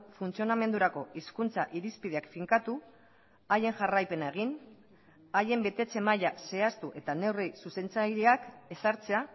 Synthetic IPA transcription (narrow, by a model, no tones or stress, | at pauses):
funt͡sio̞name̞nd̪uɾako̞iskunt͡saʔiɾispið̞e̞akfiŋkat̪u | aje̞ŋʝarajpe̞nae̞ɣ̞in | aje̞mbe̞t̪e̞t͡se̞majase̞ast̪uʔe̞t̪ane̞wresuse̞nt͡sajɾiake̞saɾt͡se̞a